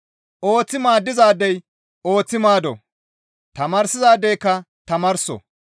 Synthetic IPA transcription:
ʔoːt͡sːɪmaːd̪ːɪzaːd̪ɛj | o̞ːt͡sːɪmaːd̪ɔ̰ | t̪ɐmɐɾsɪzaːd̪ɛjkːɐ | t̪ɐmɐɾsɔ̰

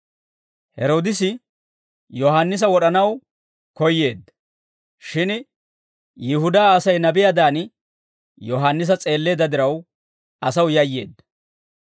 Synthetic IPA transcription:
hɛ̰ɾo̞ːd̪ɪsɪ | jɔɦaːnːɪs̬ɐwɔɗɐnɐw | kɔjːe̞ːd̪ːɐ | ʃɪn | jɪhʊd̪ɐːsɐjnɐbɪjɐd̪aːn | jɔɦanːɪs̬ɐt͡sʼe̞ːlːe̞ːd̪ɐd̪ɪɾɐw | ɐsɐwjɐjːe̞̰ːd̪ːɐ

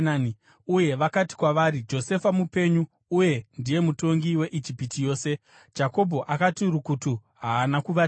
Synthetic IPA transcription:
nani | uje̞ʋakati̥kwaʋaːɾid͡ʒo̞se̞famupe̞ɲuː | je̞ndije̞muto̞ŋɡiwe̞ʔid͡ʒipitijo̞ːse̞̥ | d͡ʒako̞bʱo̞ʔakatiɾukutuɦaːnakuʋa

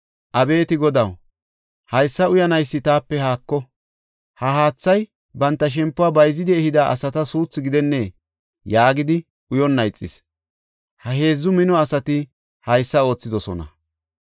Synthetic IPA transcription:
ʔɐbe̞ːt̪ɪɡɔd̪ɐw | hɐjsːɐʊjɐnɐjsːɪt̪aːpːɛhaːkːɔ | hɐɦaːt͡sːɐj | bɐnt̪ːɐʃ̬ɛmpːʊaːbɐjzːɪd̪ɪɛhɪd̪aʔɐ̰sɐt̪ɐsuːt͡sːɪɡɪd̪ɛnːeː | jaːɡɪd̪ɪ | ʊjɔnːɐjt͡sʼːɪ̰s | hɐɦe̞ːzːʊmɪnɔɐsɐt̪ɪ | hɐjsːɐo̞ːt͡sːɪd̪ɔsɔ̰nɐ̰

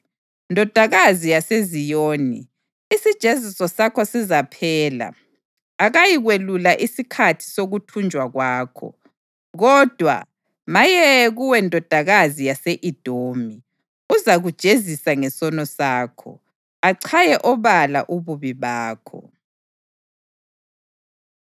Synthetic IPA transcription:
ndʱɔd̥ʱaɣazijasezijoːni | isid̥ʒ̥ʱezisɔsakʰɔsizapʰɛːla̰ | aɣajiɣwelulaʔisikʰatʰi̥soɣutʰund͡ʒʱwaɣwaːkʰɔ̰ | ɣɔd̥ʱwa̰ | majɛɣuwɛndʱɔd̥ʱaɣazijaseʔid̥ʱoːmi | uzaɣud̥ʒ̥ʱezisaŋɛsɔnɔsaːkʰɔ̰ | aǀʰajɛʔɔβala̰ʔuβuβiβaːkʰɔ̰

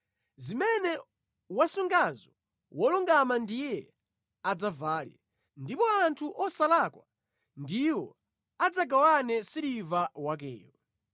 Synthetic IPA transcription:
zimɛnɛ | wasuŋɡazɔ | wɔluŋɡamandijɛ | ad͡zavaːlja̰ | ndipɔantʰuʔɔsalakwa | ndiwɔ | ad͡zaɡawanɛsilivawak̬ɛ̰ːwɛ

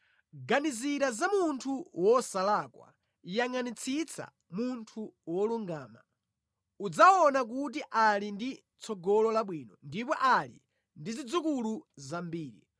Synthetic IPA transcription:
ɡaniziɾazamuntʰuwɔsalakwa̰ | jaŋanit͡sʰit͡sʰa̰ | muntʰuwɔluŋɡaːma̰ | ud͡zaɔnak̬ut̬iʔalindi | t͡sʰɔɡɔlɔlaɓwiːnɔndipɔʔalḭ | ndizid͡zukuluzambiːɾḭ

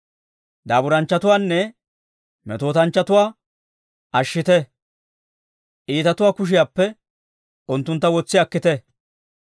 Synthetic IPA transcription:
d̪aːbʊɾɐnt͡ʃːɐt̪ʊwaːnːɛ | mɛt̪o̞ːt̪ɐnt͡ʃːɐt̪ʊwaː | ʔɐʃːɪt̪ɛ | ʔiːt̪ɐt̪ʊwaːkʊʃ̬ɪjaːpːɛ | ʔʊnt̪ːʊnt̪ːɐwɔt͡sːɪɐkːɪt̪ɛ

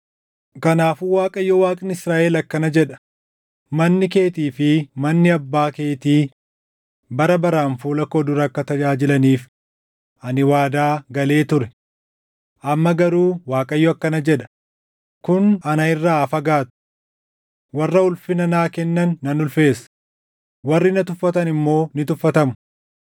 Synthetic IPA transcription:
kɐnaːfuwaːkʼɐjːɔwaːkʼɪnɪsɾaːʔɛlɐkːɐnɐd͡ʒɛᶑɐ̥ | mɐnːɪke̞ːt̪iːfɪmɐnːɪɐbːaːke̞ːt̪iː | bɐɾɐbɐɾaːnfuːlɐkɔd̪ʊɾɐkːɐt̪ɐd͡ʒaːd͡ʒɪlɐniːf | ʔɐnɪwaːd̪aːɡɐle̞ːt̪ʊɾɛ̥ | ʔɐmːɐɡɐɾuːwaːkʼɐjːɔɐkːɐnɐd͡ʒɛᶑɐ̥ | kʊnɐnɐɪrːaːɐfɐɡaːt̪ʊ̥ | wɐrːɐʊlfɪnɐnaːkɛnːɐnːɐnʊlfe̞ːs | wɐrːɪnɐt̪ʊfːɐt̪ɐnɪmːo̞ːnɪt̪ʊfːɐt̪ɐmʊ̥

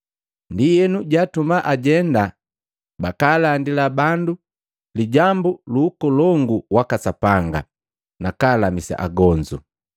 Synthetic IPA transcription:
ndijɛnuɟatumaʔaɟɛnda | bakaːlandilabandu | liɟambuluːkɔlɔŋɡuwakasapaŋɡa̰ | nakaːlamisa̰ʔa̰ɡɔɲd͡ʒṵ

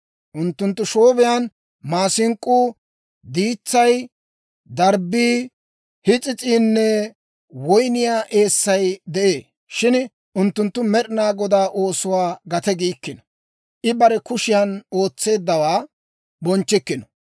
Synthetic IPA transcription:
ʔʊnt̪ːʊnt̪ːʊʃoːbɪjaːn | maːsɪŋkʼːuː | d̪iːt͡sːɐj | d̪ɐɾbiː | hɪt͡sʼɪt͡sʼiːnːɛ | wɔjnɪjaːʔe̞ːsːɐjd̪ɛʔeː | ʃɪn | ʔʊnt̪ːʊnt̪ːʊmɛɾɪnaːɡɔd̪aːʔo̞ːsʊwaːɡɐt̪ɛɡiːkːɪnɔ | ʔɪbɐɾɛkʊʃɪjɐno̞ːt͡sːe̞ːd̪ːɐwaː | bɔnt͡ʃːɪkːɪnɔ̥

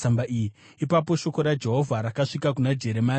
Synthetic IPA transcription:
ambaiji | ipap̬o̞ʃo̞ko̞ɾad͡ʒe̞ɦo̞vʱaɾakaʂikak̬unad͡ʒe̞ɾemaː

